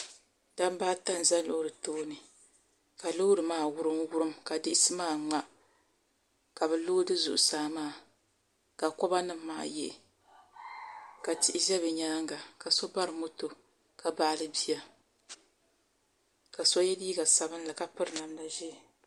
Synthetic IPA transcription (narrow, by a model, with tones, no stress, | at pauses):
d̥a˦m˦baː˦ta˦n˨za˦n˦lo˦hɾɨ˨toː˦nɨ˨ | ka˨lo˦ɾɨ˨maː˦˨wʊ˦ɾɨ˦mwʊ˦ɾɨ˦mka˨dɪ˦ʔɪ˦sɨ˦maː˦˨ŋ͡ma˦ | ka˨bɛ˨lo˦dɨ˦zṵ˨ʔʊ˨saː˨˦˨maː˦˨ | ka˨kɔ˦ba˦nɨ˦mː˦a̰ː˦jɛ̰˦ʔ | ka˨tɪ˦ʔɪ˦ʒɛ˦βɨ˨ɲaː˦ŋɡa˨ka˨so˦ba˦ɾɨ˨mo˦to˨ | ka˨baː˦lɨ˦bi˦ja˨ | ka˨so˦jɛ˦liː˦ɡa˨sa˨bɨ˦nla˨ka˦pɨ˦ɾɨ˨na˨mla˨ʒɛ˦˨